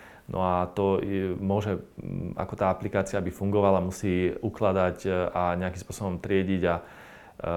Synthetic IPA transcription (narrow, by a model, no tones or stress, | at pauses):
nʔɔ̰at̪ɔmʊɔʒɛa̰kɔt̪aːaplikaːt͡siabifuŋɡɔʋalamusiːuklad̪acaɲɛakimspʊɔsɔbɔmt̪ɾɪɛɟiɟa